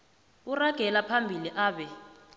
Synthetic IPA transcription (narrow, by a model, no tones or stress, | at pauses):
uraɡ̥ʱɛlapʰambʱiliʔaːɓɛ